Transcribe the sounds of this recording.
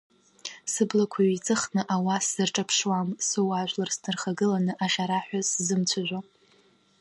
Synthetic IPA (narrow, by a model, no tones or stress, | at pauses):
sɨblakʷʰaɥit͡sʼɨχnɨʔawasɨrʈ͡ʂʼapʰʂwamsɨwaʒʷlarsnʰɨrχaɡɨlanɨʔaʁʲaɾaħᶣʷaszɨmt͡ɕʷʰaʒʷa